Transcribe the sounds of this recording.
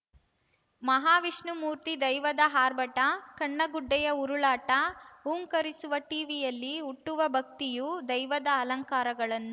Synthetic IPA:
mɐɦaːʋiʂɳumuːɾt̪id̪ɐjʋɐd̪ɐɦaːɾbɐʈɐkɐɳːɐɡuɖːɛjɐuɾuɭaːʈɐuːŋkɐɾisuʋɐʈiːʋijɐlːiuʈːuʋɐbʱɐk̚t̪ijud̪ɐjʋɐd̪ɐːlɐŋkaːɾɐɡɐɭɐnːu

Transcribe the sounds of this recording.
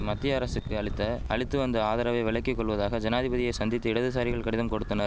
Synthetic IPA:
mɐt̪ːɪjɐɐɾɐsɯkːɯɐɭɪt̪ːɐɐɭɪt̪ːɯɐnd̪ɐaːðɐːɾɐʋɐɪʋɪɭɐkːikːɔɭːʋɐðaːɣɐd͡ʒɐnaːðɪbɐðɪjɐɪsɐnd̪ɪt̪ːɯɪɽɐðɯs̬aːɾɪɣɐɭkɐɽɪðɐmkɔɽɯt̪ːɐnɐɾ

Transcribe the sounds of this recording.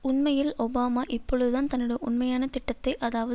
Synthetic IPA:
ʊnmɐjɪlɔbaːmaːʔɪpːɔɭɯðɯt̪aːnt̪ɐnːɯɽɐʔʊnmɐjaːnɐt̪ɪʈːɐt̪ːɐɪʔɐðaːʋɐð

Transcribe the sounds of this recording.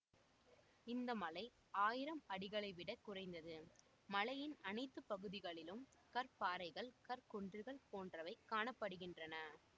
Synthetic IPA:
ɪnd̪ɐmɐlɐɪ | aːjɪɾɐmɐɽɪɣɐɭɐɪʋɪɽɐkːʊrɐɪnd̪ɐðɯ | mɐlɐjɪnɐnɐɪt̪ːɯpːɐɣɯðɪɣɐɭɪlɯm | kɐɾpaːɾɐɪɣɐɭkɐɾkɔɳdrɯɣɐɭpoːndrɐʋɐɪkːaːnɐpːɐɽɯɣɪndrɐnɐ

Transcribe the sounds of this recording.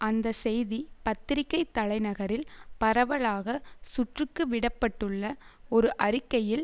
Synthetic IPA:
ʔɐnd̪ɐsɛjðipɐt̪ːɪɾɪkːɐɪt̪ːɐɭɐɪnɐɣɐɾɪlpɐɾɐʋɐɭaːɣɐsʊʈrɯkːɯʋɪɽɐpːɐʈːɯɭːɐɔɾɯʔɐɾɪkːɐjɪl

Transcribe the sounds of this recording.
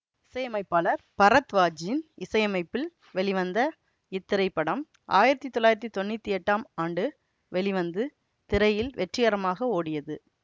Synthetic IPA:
ɪsɐjɐmɐɪpːaːlɐɾpɐɾɐt̪ʋaːd͡ʒjɪnɪsɐjɐmɐɪpːɪl | ʋɛɭɪʋɐnd̪ɐ | ɪt̪ːɪɾɐɪpːɐɽɐm | ʔa̰ːjɪɾɐt̪ːit̪ːɔlːaːjɪɾɐt̪ːit̪ɔnːɪt̪ːiɛʈːaːmaːɳɖɯ | ʋɛɭɪʋɐnd̪ɯ | t̪ɪɾɐjɪlʋɛʈrɪjɐːɾɐmaːɣɐoːɽɪjɐðɯ

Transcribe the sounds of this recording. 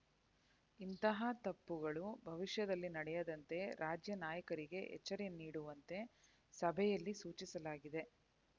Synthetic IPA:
int̪ɐɦɐt̪ɐpːuɡɐɭubʱɐʋiʂjɐd̪ɐlːinɐɽɛjɐd̪ɐnt̪e̞ɾaːd͡ʒjɐnaːjɐkɐɾiɡe̞ɛ̰t͡ʃːɐɾeniːɽuʋɐnt̪e̞ | sɐbʱɛjɐlːisuːt͡ʃisɐlaːɡid̪e̞

